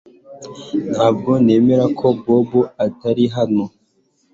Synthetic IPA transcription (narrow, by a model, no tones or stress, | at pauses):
n̥haːb̚ɡone̞ːmeɾakʰobobuataɾiɦano